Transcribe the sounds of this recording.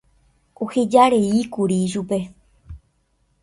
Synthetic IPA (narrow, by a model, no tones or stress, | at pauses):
ohed͡ʒaɾe̞ikuɾiʃupe̞